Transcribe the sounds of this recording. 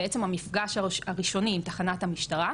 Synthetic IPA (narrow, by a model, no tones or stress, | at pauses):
esemamifɡaʃaaʁiʃo̞niːmt̪aχanathamiʃtaʁa